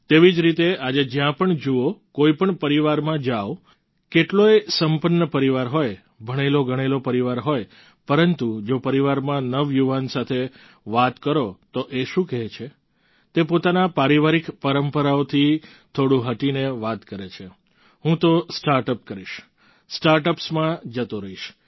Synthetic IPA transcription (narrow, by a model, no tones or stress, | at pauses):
t̪eʋid͡ʒɾit̪ead͡ʒed͡ʒjãpəɳd͡ʒuokoipəɳpəɾiʋaɾmãd͡ʒaʋ | keʈloesəmpənːəpəɾiʋaɾɦoj | bʱəɽ̃eloɡʱəɽ̃elopəɾiʋaɾɦoj | pəɾənt̪ud͡ʒopəɾiʋaɾmãnəʋjuʋansat̪ʰe | ʋat̪kəɾot̪oʔeʃũkɛɦt͡ʃʰe | t̪epot̪anapaɾiʋaɾikpəɾəmpəɾaot̪ʰi | t̪ʰoɽũɦəʈineʋat̪kəɾet͡ʃʰe | ɦũt̪osʈaɾʈəp̚kəɾiʃ | sʈaɾʈəpsmãd͡ʒət̪oɾəiʃ